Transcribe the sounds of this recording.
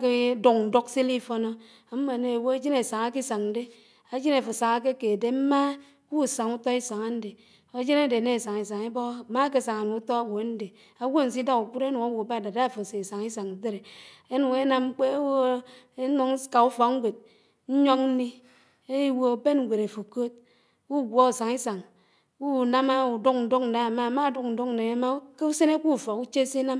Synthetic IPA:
ke˦do˨ŋn̩˨do˦ksi˦li˦fo˦no˦ | a˨m̩˦ma˨ne˨wo˦e˦d͡ʒi˦ne˨sa˨ŋa˦ki˦sa˨ŋn̩˦de˦ | a˦d͡ʒi˦ne˨fo˨sa˨ŋa˦k̬e˦ke˨de˨m̩˦ma˦ | ku˦˨sa˨ŋu˦to˦i˦sa˨ŋa˦n̩˦de˨ | a˨˦d͡ʒi˦ne˦˨de˨ne˦˨sa˨ŋi˨s̬a˨ŋe˦bo˦˨ma˦ke˦˨sa˨ŋ˨a˨nu˨u˦to˦a˦wo˨˦n̩˦de˨ | a˨wo˦˨n̩˨s̬i˦da˦ku˨k͡pu˦ɾe˦nu˨a˦wo˨ba˦˨da˨da˦a˦˨fo˨se˨sa˨ŋi˦sa˨ŋn̩˨ze˦ɾe˨e˦nu˨ŋe˦na˦m˦k͡pe˦wo˦ | e˦nu˨ŋ˦ka˨u˦fɔ˨kŋ̩˦ɡʷe˨t̚ | n̩˦ɲo˦k̚n̩˦ni˦ | e˦wo˨be˦nŋ˨ɡʷe˨ɾe˨fo˨ko˦t̚ | ku˦˨ɡʷo˦˨sa˨ŋi˦sa˨ŋ | u˦˨na˦ma˦u˨du˦k̚n̩˨du˦k̚n̩˨da˨˦˨ma˦˨ma˦˨du˦kn̩˨du˦k̚n̩˨ne˨a˨˦ma˦ke˦u˦se˦ne˦ku˦˨fɔ˨ku˦t͡ʃe˦se˦na˦m

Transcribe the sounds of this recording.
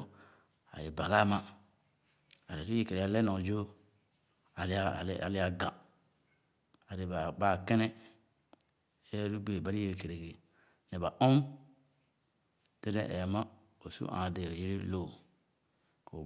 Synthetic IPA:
a̰˨ɾi˨ba˨ɡa˦ma˦ | a˨ɾi˨ɾi˦je˦˨ke˨ɾe˨a˦˨le˦no˨d͡ʒo˦ | a˨l̰la̰˨li˦a˨ɡã˨ | a˨ɾi˨ba˨ba˦˨ke˦ne˦ | e˦ɾu˦be˨ba˨ɾi˦je˦˨ke˨ɾe˨ɡe˨ | ne˨ba˨ʔu˦m | te˦dḛ˦˨ʔe˨ma˦ | o˨sṵ˦ʔã̰˨de˨o˨je˦ɾi˦lo˦˨ | o̰˨

